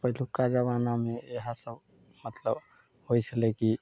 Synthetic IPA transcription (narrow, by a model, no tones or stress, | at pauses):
pəɦilukad͡ʒaβanameeɦasəb | mət̪ləb | hojt͡ʃʰəlɛki